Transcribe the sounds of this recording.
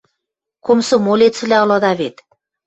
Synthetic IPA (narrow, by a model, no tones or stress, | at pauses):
komsɤ̆molʲet̪t͡sɘ̆lʲæɤ̆lˠɤ̆d̪ɑβet̪